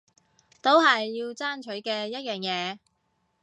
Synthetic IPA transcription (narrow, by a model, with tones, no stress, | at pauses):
t̪o˥wɦɐ˨jːiː˧wt͡saː˥nt͡ʃʰɵ˨˥ɥkɛː˧jɐ˥t̚jœː˨ŋjɛː˨˧